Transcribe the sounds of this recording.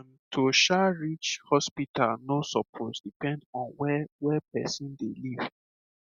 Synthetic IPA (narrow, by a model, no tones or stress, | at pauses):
n | tʰoʃaɹit͡ʃhɔspitalnosɔpʰɔtdipɛ̃ndɔ̃nwɛwɛpɛsĩndeliv̥